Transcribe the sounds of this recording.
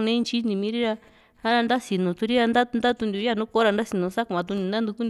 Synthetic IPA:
nẽ˦˧nt͡ʃi˦nĩ˧mĩ˧˦ɾi˦ɾa˧ | a˦ɾa˧nd̪a˦si˨nũ˨˧t̪u˧ɾi˦ɾa˧nd̪a˦˧nd̪a˦t̪u˧nd̪u˧ja˦˨nũ˦ko˦ɾa˧nd̪a˦si˨˧nũ˧˦sa˦kã˨˧t̪̬u˧nĩ˧nd̪a˦nd̪u˧ku˦n

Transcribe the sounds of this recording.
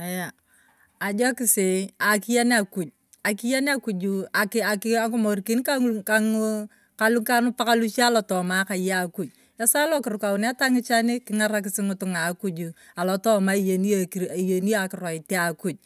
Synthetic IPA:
a˨jaː˨ | d͡ʒɔ˦kɪ˦se˨a˨ki˦ja˦n˦a˦ku˨d͡ʒ̚ | a˨ki˦ja˦ne˦a˦ku˨d͡ʒu˨a˨kɪa˨kɪa˦ko˦mo˨rki˨˦nka˦kaŋ | ka˦lu˦ka˦nʊ˦pa˦ka˦lu˦t͡ʃaː˦lɔ˨tɔ˨ma˦ka˨ja˦˨ku˨d͡ʒ̚ | a˦sa˦lɔ˦kɪ˨ɾʊ˨ka˨wʊ˨na˦ta˦ŋɪ˦t͡ʃa˦nɪ˦kɪ˦ŋa˦ɾa˦k̬ɪ˦sɪ˦ŋʊ˦tʊ˨ŋa˨ku˦d͡ʒu˨ | a˨lɔ˨tɔ˦ma˦i˦je˨ni˦ki˨je˨ni˦ja˨kɪ˨rɔ˨ɪ˨te˦a˨ku˨d͡ʒ̚

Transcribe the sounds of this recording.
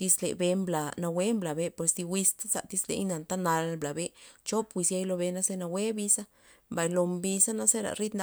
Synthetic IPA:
t̪i˧slḛ˨be˧mbla˨na˧we˦mbla˨be˧pe˨sd̪i˧wi˧st̪a˦sa̰˧˨t̪i˦slḛ˧jna˨nt̪a˦na˧lbla˨be˦t͡ʃo˦pwi˧sja˦jlo˧be˧na˦se˦na˧we˦bi˧sa˦ | mba˨jlo˧mbi˧sa˦na˦se˦ɾa̰˨ɾi˦t̪na˧

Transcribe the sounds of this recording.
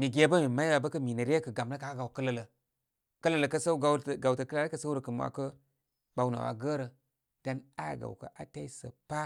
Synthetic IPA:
mi˨ɡe˦bə˦mi˨ma˦ɾa˨bə˦kə˦mi˨nə˨ɾe˦kə˨ɡa˨mlə˦ka˨˦ɡa˨wkə˦lə˨lə˨ | kə˦lə˦˨lə˨kə˦sə˦ɡa˨ə˨ɡa˨wtə˨kə˦la˦ɾə˦kə˦sə˦wɾə˨kə˨m˨wa̰˨kə˦ | ba˨wna̰˨wa̰˨ɡə˦ɾə˨ | d̥a˦na˦˨ɡa̰˨kə̰˨ʔa˨ta˦i˦sə̰˨pa˦

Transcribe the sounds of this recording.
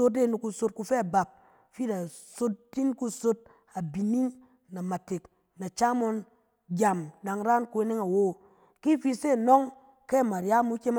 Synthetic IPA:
o˧t̚de˦˨nu˨˧ku˧so˧t̚ku˧fe˦a˨ba˨p̚ | fi˦da˨so˦t̚di˦n˦ku˧so˦t̚ | a˨bi˨ni˦ŋ | na˨ma˨te˨k | na˨t͡ʃa˦mo˧n | ɡʲa˨mɗa˨ŋɾa˦nku˦e˦ne˦ŋa˨wo˦˨ | ki˦fi˧se˦˨no˦ŋ | ke˦˨ma˨ɾja˦mu˦kʲe˦m˦

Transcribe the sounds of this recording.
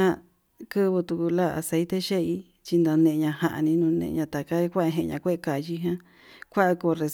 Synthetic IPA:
ã˦ | kɨ˦βɨ˧t̪u˧ku˧la˦˨a̰˨˧se˧˦t̪e˦ʃe˦i˧ | t͡ʃi˧nd̪õ˧nẽ˧ɲã˧ha˨ʔa̰˧nĩ˧nũ˧nḛ̃˧ɲã˧t̪a˨ka˦kʷa˦ʔɦẽ˧ɲã̰˧kʷe˦ʔka˨ji˧ɦã˦ | kʷa˦ʔa˧ko˧˨˧re˧

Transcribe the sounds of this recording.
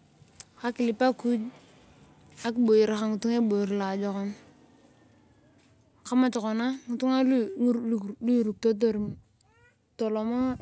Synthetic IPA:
ka˦ki˨li˨pa˦ku˦d͡ʒ | a˦kɓo˨ji˨ɾa˨ka˦ŋu˨tu˦ŋe˦bo˨i˨ɾla˨d͡ʒo˨kɔ˦n | ka˦ma˨t͡ʃɔ˨ko˨na˦ŋu˨tu˦ŋa˦lu˨lu˦˨ɾu˨k̚to˦t̬o˦ɾ | to˨lo˨mo˦

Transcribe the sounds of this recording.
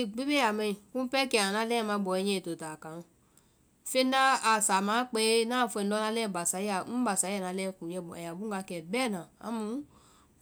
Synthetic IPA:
i˧ɡ͡bi˦be˦ja˨mɛ˧i˨ku˦pɛ˦kɛ˧˨a˨nã˧˦lɛ˦˨mã˧˦bɔ˨ɛ˨˧ɲɛ˧˨to˨ta˨kã˨n˧˨ | fe˦na˦a˨sa˨maː˨˦k͡pe˦nã˦˨fɛ˧˨˦dɔ˧˦na˧˦lɛ˦˨ba˨sa˨˦a˨˦n̩˦ba˨sa˨˦a˦˨na˨˧˦lɛ˦˨ku˨jɛ˧bɔ˨ɛ˨ja˨bu˦ɡa˧˦kɛ˧˨bɛ˦˨nã˨a̰˨˦mũ˨˦

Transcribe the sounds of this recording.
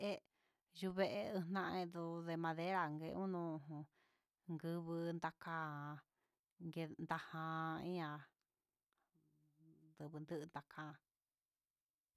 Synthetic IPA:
e˦ | ju˧βe˧ʔe˧ɨ˧nã˧ʔẽ˧ðu˧ðe˧mã˧ðe˦ɾa˧˨ŋɡe˧ʔũ˦nũ˧ũ˧ | ŋɡɨ˧βɨ˧nd̪a˧kã˦˧ | ŋɡe˧nd̪a˧hã˧ĩ˦ã˧ | d̪ɨ˧βɨ˧nd̪ɨ˦ʔnd̪a˧kʰã˦˧

